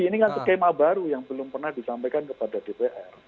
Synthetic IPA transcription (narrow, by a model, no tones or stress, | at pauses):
iniŋansəkemabaɾujaŋbəlʊmpərnahdisampajkankəpadadepeʔɛr